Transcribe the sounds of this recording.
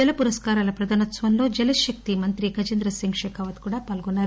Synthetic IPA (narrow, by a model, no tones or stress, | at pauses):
d͡ʒɛlɐpuɾɐskaːɾaːlɐpɾɐd̪aːnɐt̪sʋɐnloːd͡ʒɐlɐʃɐk̚t̪imɐnt̪ɾiɡɐd͡ʒɐnd̪ɾɐsiŋʂɛːkɐʋɐt̪kuːɽaːpaːlɡɔnːaːɾu